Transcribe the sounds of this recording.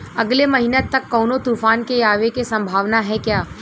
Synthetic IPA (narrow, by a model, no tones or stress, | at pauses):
ɐɡlemɐɦinet̪ɐkːɔːnot̪uːfaːnkejaːʋekesɐ̃mbʱaːʋnaɦɛkjaː